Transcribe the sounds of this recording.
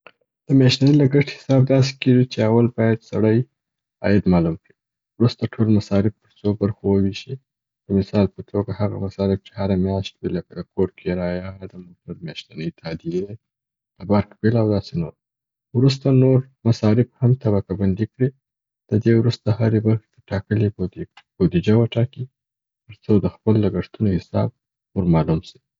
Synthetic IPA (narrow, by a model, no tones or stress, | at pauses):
d̪̥əmjaʃt̪anilaɡəʈhɪ̥sɑb̚d̪ɑs̬e̥keʒit͡ʃeawalbɑjad̪sa̰ɽəj | ɑ̰jɪd̪mɑlumkɽi | wɾust̪aʈʰolmasɑɾɪb̚t̪əɾsobaɾxowəwiʃi | d̪̥əmɪsɑlpət̪ʰoɡahaɣa̰masɑɾɪb̚t͡ʃe̥haɾamjɑʃt̪wiləkad̪əkoɽkʰeɾɑjad̪əmoʈaɾmjɑʃt̪anəjt̪ʰɑd̪ied̪aj | ləbaɾkbelawd̪ɑsenoɾ | wɾus̬t̪anoɾ | masɑɾɪfhamt̪aβakaband̪ikɽi | d̪̥əd̪ewɾust̪ahaɾebaɾxe̥t̪əʈɑkəlib̥od̪id͡ʒawəʈɑki | t̪əɾt͡sod̪əxpəlːaɡəʂt̪unohɪsɑ̰b̚ | noɾmɑlumsi̥